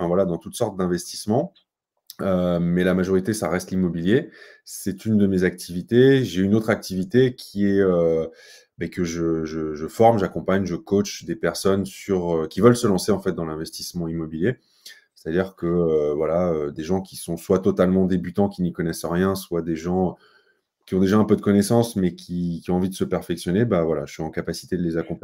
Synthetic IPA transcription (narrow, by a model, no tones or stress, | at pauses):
fɛ̃vwalad̪ɑ̃t̪ut̪sɔʁt̪̚d̪ɛ̃vɛst̪i̥smɑ̃ | ømɛlamaʒɔʁit̪esa̰ʁɛst̪limɔbiljesɛt̪ynd̪əmezak̚t̪ʰivit̪eʒeynot̪χak̚t̪ivit̪ekʲʰiɛø | bɛkəʒəʒəʒəfɔʁmʒakɔ̃paɲʒəkot͡ʃd̪epɛʁsɔnsyʁøkʲivœlsəlɑ̃seɑ̃fɛt̪̚d̪ɑ̃lɛ̃vɛst̪i̥smɑ̃imɔbilje | se̥t̪ad̪iʁkəøvwalaød̪eʒɑ̃kʲisɔ̃swat̪ɔt̪almɑ̃d̪ebyt̪ɑ̃kʲinikɔnɛsʁjɛ̃swad̪eʒɑ̃ | kʲiɔ̃d̪eʒaɛ̃pød̪əkɔnɛsɑ̃smɛkʲʰikʲiɔ̃ɑ̃vid̪əsəpɛʁfɛksjɔnebavwala̰ʒəsɥiɑ̃kapasi̥t̪ed̪əlezakɔ̃p